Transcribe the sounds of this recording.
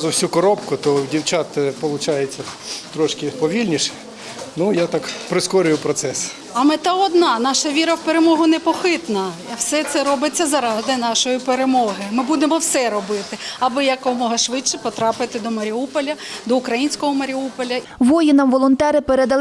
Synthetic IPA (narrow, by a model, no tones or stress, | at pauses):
zʊwsʲukɔɾɔpkʊt̪ɔwdʲiwt͡ʃɑt̪ɐpɔlˠʊt͡ʃɑjet͡sʲːɐt̪ɾɔʃkɪpɔʋʲilʲnʲiʃɛ̥ | nujat̪ɑkpɾɪskɔɾʲʊjʊpɾɔt̪sɛs | ɐmɪt̪ɑɔd̪nɑnɑʃɐʋʲiɾɐwpeɾemɔɦʊnepɔxɪt̪nɐwsɛt̪sɛɾɔbɪt͡sʲːɐzɐɾɑd̪ɪnɑʃɔjipeɾemɔɦɪmɪbud̪emɔwsɛɾɔbɪt̪ɪɐbɪjɐkɔmɔɦɐʃʋɪt͡ʃt͡ʃːɛpɔt̪ɾɑpɪt̪ɪd̪ɔmɐɾʲiupɔlʲɐd̪ɔʊkɾɐjinʲsʲkɔɦɔmɐɾʲiupɔlʲɐʋɔjɪnɐmʋɔlˠɔnt̪ɛɾɪpeɾed̪ɐlˠ